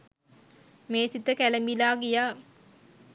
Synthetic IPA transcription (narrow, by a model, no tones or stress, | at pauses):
meːsit̪əkæləmbilaːɡijaː